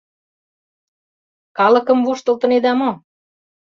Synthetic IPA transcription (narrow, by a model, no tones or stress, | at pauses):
kɑlɤ̆kɤ̆mvuʃt̪ɤ̆lt̪ɤ̆ned̪ɑmo